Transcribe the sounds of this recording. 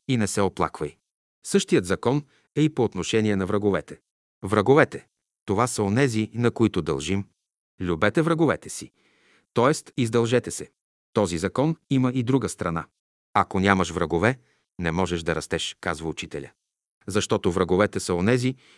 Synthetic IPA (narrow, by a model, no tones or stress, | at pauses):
inɛsɛoplˠa̰kvɐj | sɤʃt̪ijət̪zɐkɔn | ɛipoːt̪noʃɛniɛnɐvɾɐɡovɛt̪ɛ̥ | vɾɐɡovɛt̪ɛ | t̪ovasəonɛzinɐkoit̪od̪ɐ̰lˠʒim | lʲubɛt̪ɛvɾɐɡovɛt̪ɛsi | t̪ɔɛst̪izd̪ɐlˠʒɛt̪ɛsɛ | t̪ɔzizɐkɔniməid̪ɾuɡəst̪ɾɐna | ɐkonʲamɐʃvɾɐɡovɛ | nɛmɔʒɛʒd̪ɐɾɐst̪ɛʃkazvəut͡ʃit̪ɛlʲə̰ | zɐʃt̪ɔt̪ovɾɐɡovɛt̪ɛsəonɛzi